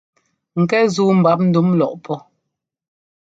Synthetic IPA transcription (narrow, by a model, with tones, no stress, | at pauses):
ŋ̩˨kɛ˦zuː˦m̩˨ba˦p̬̚n̩˦du˨˦mlɔ˨ʔpʰɔ˦